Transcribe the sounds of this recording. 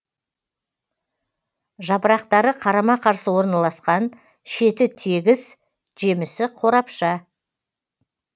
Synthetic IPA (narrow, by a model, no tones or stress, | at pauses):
ʒɑpɾɑqt̪ɑɾəqʰɑɾɑmɑqʰɑɾsəwo̞ɾnɑlˠɑsqɑn | ʃe̞t̪ɪt̪ʰeɡʲɪz | ʒe̞mɪsɪqʰo̞ɾɑpʃɑ